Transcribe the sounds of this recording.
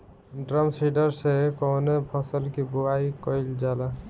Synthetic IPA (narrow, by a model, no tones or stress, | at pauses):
ɖɾəmsiɖəɾsekɔnepʰɔsəlkibuaikɔjld͡ʒala